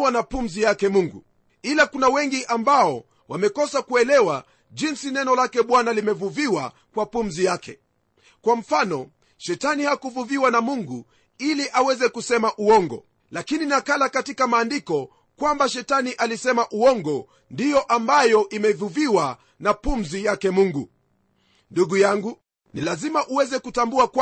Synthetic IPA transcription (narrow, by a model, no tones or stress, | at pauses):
wanapum̩zijakɛmuŋɡṵ | ilakunawɛŋɡiʔambaɔ | wamɛkɔsakuɛlɛwa | ʄinsinɛnɔlakɛɓwanalimɛvuviwa | kwapum̩zijakɛ̰ | kwam̩fanɔ | ʃɛtanihakuvuviwanamuŋɡu | iliʔawɛzɛkusɛmaʔuɔŋɡɔ̰ | lakininakalakatikamaːndikɔ | kwambaʃɛtaniʔalisɛmaʔuɔŋɡɔ | ndijɔʔambajɔʔimɛvuviwa | napum̩zijakɛmuŋɡu | nduɡujaŋɡu | nilazimaʔuwɛzɛkutambuak